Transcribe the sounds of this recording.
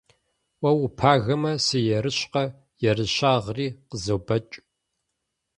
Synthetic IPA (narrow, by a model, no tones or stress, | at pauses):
wɐwʊpʰaːɣɐmɐsɨjɛɾɨɕqɐ | jɛrɨɕaːʁriːqəzobɐt͡ʃʼ